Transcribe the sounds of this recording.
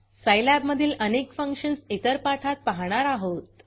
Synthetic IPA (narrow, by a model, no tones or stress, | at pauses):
səjlæbməd̪ʱiːlʔənekfəŋkʂənsit̪əɾpaʈʰat̪̚paɦɽ̃aɾaɦot̪